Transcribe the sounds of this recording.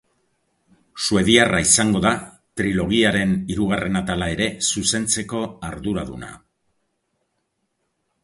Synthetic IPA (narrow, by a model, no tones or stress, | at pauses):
sue̞ðiaraisaŋɡo̞ða | t̪ɾilo̞ɣ̞iaɾe̞niɾuɣare̞nat̪alae̞ɾe̞suse̞nt͡se̞ko̞aɾðuɾaðuna̰